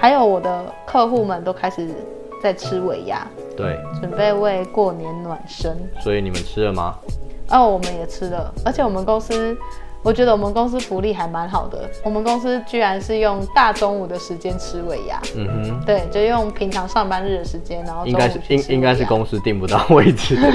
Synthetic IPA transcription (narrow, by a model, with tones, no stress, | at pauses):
xa˧˥ɪjo˧˥ʊwɔ˨˩d̪ə˦kʰɤ˥˧xu˥˩mə˨nt̪o˥ʊkʰa˥ɪʂɻ̩˨˩ | t͡sa˥˩ɪʈ͡ʂʰɻ̩˥we˨˦ɪja̰˥ | t̪we˥˩ɪʈ͡ʂə˨˩npe˥˧ɪwe˥˧ɪkwɔ˥˩njɛ˧˦nnwa˨˩nʂə˦nswɔ˧˦˥i˨ni˨˩mə̰˦nʈ͡ʂʰɻ̩˦˥lə˨ma̰˨˩ə˥˩wɔ˨˩mə˦njɛ˨˩ʈ͡ʂ̩ʰ˦˥lə˨ə˞˧˥t͡ɕʰjɛ˨˩wɔ˨˩mə˧nkʊ˥ŋs̩˥wɔ˨˩t͡ɕɥɛ˧˥d̪ə˧wɔ˨˩mə˧nkʊ˥ŋs̬̩˥fu˧˥li˥˩xa˧˥ɪma˧˦nxɑ˨˩ʊd̪ə̰˩wɔ˨˩mə˦nko˥ŋs̬̩˥t͡ɕy˥ɻa˧˦nʂɻ̩˥˧jʊ˥˩ŋt̪a˥˨ʈ͡ʂo˥ŋu˨˩d̪ə˨ʂɻ̩˧˦t͡ɕjɛ˦nʈ͡ʂʰɻ̩˥we˧˥ɪja̰˥m̩˨m̩˦t̪we˥˩ɪt͡ɕjʂ̩˥˧˩jo˥˩ŋpʰi˧˥ŋʈ͡ʂʰɑ˧˥ŋʂɑ˥˨ŋpa˥˦nɻ̩˥˩d̪ə˩ʂɻ̩˧˦t͡ɕjɛ˥˦nːa˧˦nxo˥˧˨ŋ˥a˥˦ɪ˥˦i˦ŋka˥ɪʂɻ̩˥˩kʊ˦ŋs̩˦t̪i˥˨ŋpu˨˦t̪ɑ˥˨ʊwe˥˨˩ɪt͡s̩ʰ˥˦